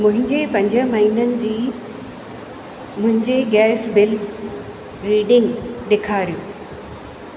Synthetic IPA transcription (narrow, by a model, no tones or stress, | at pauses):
mʊ̃ɦɪ̃ɲd͡ʑepɐ̃ɲd͡ʑə̆mɐɦiːnənɪ̆d͡ʑiː | mʊ̃ɦɪ̃ɲd͡ʑeɡɛːsbɪld | ɾiːɖɪ̃ŋɡɗɪkʰaːɾijũː